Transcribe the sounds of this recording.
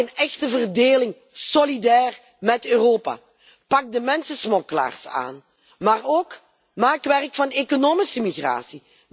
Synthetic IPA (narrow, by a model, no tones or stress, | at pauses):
ənɛxtəvərdeːlɪŋ | solidɛːr | mɛtøːroːpa̰ː | pɑk̚dəmɛnsəsmɔkəla̰ːrsa̰ːn | maːroːk | maːkʋɛrkfɑnekonoːmisəmiɣra̰ːsi